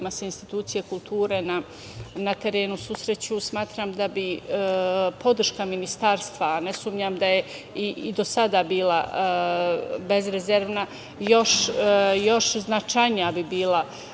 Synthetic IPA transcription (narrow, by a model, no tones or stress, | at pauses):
maseinst̪i̥t̪uːt̪sije̞kulˠt̪uːɾe̞na | nat̪e̞ɾe̞ːnususɾe̞t͡ɕusmaːt̪ɾamd̪abi | po̞d̪r̩ʃkaminist̪aːɾst̪ʋaːnesumɲamd̪aje | iid̪o̞sad̪abiːla | be̞zɾezeɾʋna | jo̞ʃjo̞ʃznat͡ʃajnijabibiːlˠa